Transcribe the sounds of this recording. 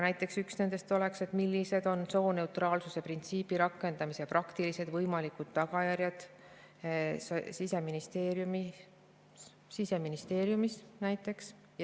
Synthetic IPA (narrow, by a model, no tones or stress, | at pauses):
næjt̪ːˑe̞ksyksne̞nd̪e̞st̪o̞le̞kse̞t̪milːise̞d̪̥o̞nso̞ːne̞ut̪rɑːlsuse̞print̪siːpiɾɑkːˑe̞nd̪̥ɑmiseprɑkt̪ilise̞d̪vɤjmɑlikud̪̥t̪ːɑɡ̥ɑjæɾjɑd̪̥ | ssise̞minist̪e̞ːɾjumi | sise̞minist̪e̞ːɾjumisnæjt̪ːˑe̞ks